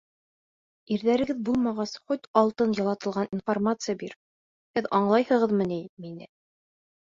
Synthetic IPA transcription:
iɾðæɾɘ̆ɡɘðbulˠmɑʁɑsχot̪ʲɑlˠt̪ɤnjɑlˠɑt̪ɤ̆lˠʁɑninformat̪sɨjabiɾ | hɘðɑɴlˠɑjhɤ̆ʁɤðmɤniminɘ̰

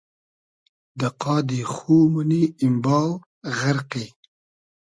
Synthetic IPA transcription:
d̪əqɑːd̪ixumuniɪmbɑːw | ɣaɾqe

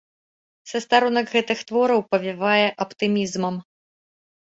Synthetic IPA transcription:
sɐst̪aɾunɐkɣɛt̪ɨxt̪vɔɾɐwpɐvʲivajɛʔɐpt̪ɨmʲizmɐm

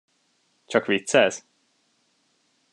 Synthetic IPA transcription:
t͡ʃɒkʰɹit̪sɛz̥

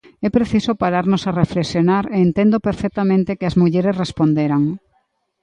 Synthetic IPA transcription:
ɛpɾeθisopaɾaɾnosarefleksjonaɾeːnt̪end̪opeɾfɛk̚t̪amẽnt̪ekɪɐzmuʎeɾesrespond̪eɾaŋ

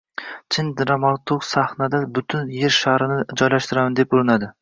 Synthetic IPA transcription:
t͡ʃʰɪnd̪ɾamat̪ʰoksahnad̪abʊt̪ʰʊnje̞ɾʃahɾɪnɪd͡ʒɒjlaʃt̪ɪɾamand̪epʊɾɪnad̪ɪ

